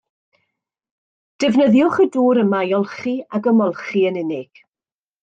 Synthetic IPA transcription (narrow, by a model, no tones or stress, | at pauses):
d̥ɛvnəðjʊχəduːɾəmajɔlˠχiaɡəmɔlˠχiənɪnɪɡ̥